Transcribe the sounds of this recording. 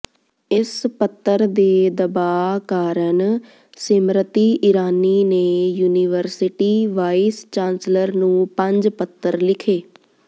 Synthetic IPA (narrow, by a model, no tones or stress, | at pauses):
ɪspət̪ːəɾd̪eːd̪əbaːkaːɾən | sɪmɾət̪iːʔɪɾaːniːneːjuːniːʋəɾsɪʈiːʋaːist͡ʃãːnsləɾnũːpə̃ɲd͡ʒpət̪ːəɾlɪkʰeː